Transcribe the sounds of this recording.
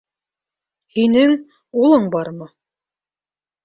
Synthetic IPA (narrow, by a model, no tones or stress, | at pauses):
hinɘŋ | ulˠɤɴbɑɾmɤ